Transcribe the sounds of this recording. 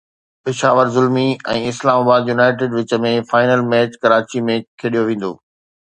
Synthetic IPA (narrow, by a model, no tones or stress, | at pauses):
pɪʃaːʋəɾzʊlmiɛ̰̃ːɪslaːmaːbaːd̪junaːɪʈ̬eːɖʋɪt͡ɕəmẽfaːɪnəlmɛːt͡ɕkɐɾaːt͡ɕimẽkʰeɗijoʋẽːn̆d̪o̰ː